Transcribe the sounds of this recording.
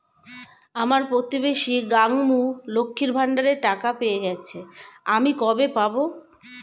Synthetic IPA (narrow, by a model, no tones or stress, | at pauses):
amaɾpot̪ibeʃiɡaŋmulokʰːiɾbʱaɳɖaɾeʈakapejeɡɛt͡ɕʰeamikɔbepabo